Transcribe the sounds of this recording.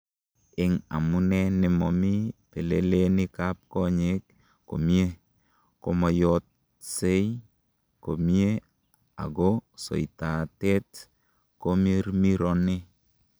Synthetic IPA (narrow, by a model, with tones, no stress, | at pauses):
ɪ˦ŋa̰˨mʊ˦nɛ˦nɪ˨mɔ˨mɪ˦pe˨le˦le˦nɪ˦ka˦p̚kɔ˦ɲe˦k | ko̰˨mi˦e˦ | ko˦mɔ˨jɔ˦t̚ | se˦ | ko˨mi˦e˦ | a̰˨ɡɔ˦so̰˨i˨ta˨tɛ˦t | ko˦me˦ɾmi˦ɾɔ˦nɪ˦